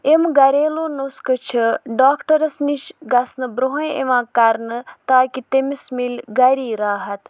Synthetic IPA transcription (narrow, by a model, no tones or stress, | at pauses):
emɡɐɾeːloːnoskɨt͡ʃʰiɖaːkʈɐɾɐsniʃɡɐsnɨbɾoɦẽḛʋãːkɐɾnɨt̪aːkit̪emismilʲɡɐɾiːɾaːɦɐt̪